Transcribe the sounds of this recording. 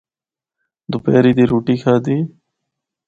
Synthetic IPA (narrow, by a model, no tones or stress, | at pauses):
d̪upeːɾiːd̪iːɾuːʈiːkʰaːd̪iː